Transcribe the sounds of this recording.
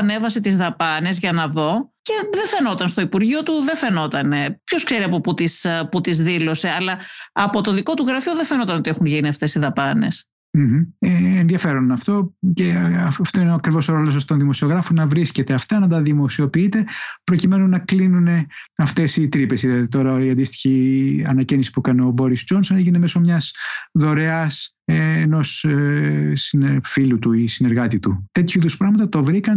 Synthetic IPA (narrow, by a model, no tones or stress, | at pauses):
ɐne̞vɐset̪izðɐpɐne̞zʝɐnɐðo̞ce̞ðefe̞no̞t̪ɐnst̪o̞ipuɾʝio̞t̪uðe̞fe̞no̞t̪ɐne̞pço̞skse̞ɾiɐpo̞put̪isput̪izðilo̞se̞ɐlɐɐpo̞t̪o̞ðiko̞t̪uɣɾɐfioðefe̞no̞t̪ɐnot̪iexunʝiniɐft̪e̞siðɐpɐne̞̰s | m̩ç̩eːnðiɐfe̞ɾo̞nɐft̪o̞ceft̪oineoɐkɾivo̞soɾolos̬ɐst̪onðimosio̞ɣɾɐfonɐvɾisce̞t̪eɐft̪ɐnɐt̪̬ɐðimo̞sio̞piit̪e̞pɾo̞cime̞nunɐklinune̞ | ɐft̪e̞sit̪ɾipesiðɐðit̪o̞ɾɐiɐnd̪ist̪i̥çiɐnɐcinisi̥pukɐneo̞bo̞ɾisd͡ʒo̞nso̞neʝineme̞so̞mɲɐsðo̞ɾeɐs | eːno̞s | sifilut̪uisine̞ɾɣɐt̪it̪ut̪e̞t̪çuiðuspɾɐɣmɐt̪ɐt̪ovɾikɐn